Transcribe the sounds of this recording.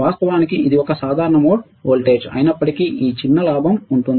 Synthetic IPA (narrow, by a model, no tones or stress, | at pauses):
aːst̪ɐʋaːnikiʔid̪iɔkɐsaːd̪ʱaːɾɐɳɐmoː | oːlʈeːd͡ʒɐ̰jnɐpːɐʈikiʔiːt͡ʃinːɐlaːbʱɐmuɳʈund̪i